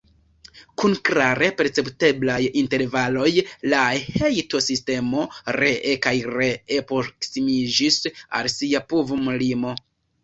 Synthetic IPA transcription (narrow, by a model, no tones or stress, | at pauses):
kunkɾaɾe̞pe̞ɾt͡se̞pte̞blajinte̞ɾvalo̞jlahejto̞siste̞mo̞ɾe̞ʔekajɾe̞epɾo̞ksimid͡ʒisa̰lsiapovumulimo̞